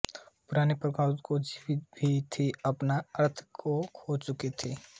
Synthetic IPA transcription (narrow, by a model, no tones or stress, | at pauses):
pʊɾaːnepɾəkaːɾt̪kod͡ʒiʋit̪bʱit̪ʰiɐpnaɐɾt̪ʰkʰokʰot͡ʃʊket̪ʰeː